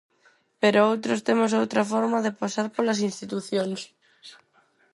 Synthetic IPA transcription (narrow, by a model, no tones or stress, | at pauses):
peɾoowt̪ɾʊst̪emʊs̬owt̪ɾɐfɔɾmɐðepasaɾpolɐsinst̪it̪uθjons